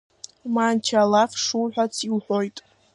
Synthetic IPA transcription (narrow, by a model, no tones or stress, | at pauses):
maːnt͡ʃʰaːlafʂuwħʷᶣat͡sʰilħʷᶣojtʼ